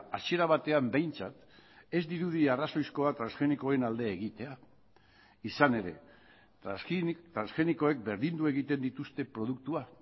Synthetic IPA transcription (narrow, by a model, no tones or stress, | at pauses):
asie̞ɾaβ̞at̪e̞ambe̞jnt͡sat̪ | e̞zd̪iɾuð̞iaraso̞jsko̞at̪ɾansxe̞nikoe̞nald̪e̞ːɣit̪e̞a | isane̞ɾe̞ | t̪ɾansxe̞niko̞ek̚be̞ɾðind̪ue̞ɣit̪e̞nd̪it̪ust̪e̞pɾo̞ð̞ukt̪ua